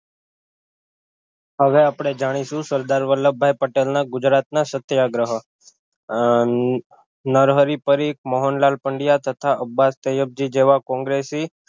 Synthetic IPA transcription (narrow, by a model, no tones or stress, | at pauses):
ɦəʋeapɽ̃ed͡ʒaɽ̃isũsəɾd̪aɾʋəlːəbʱajpəʈelnaɡʊd͡ʒɾat̪nasət̪jaɡɾəɦə | nəɾɦəɾipəɾik̚məɦonlalpəɳɖijat̪ət̪ʰaʔəbːast̪ejəb̚d͡ʒid͡ʒeʋakɔ̃ŋɡɾesiː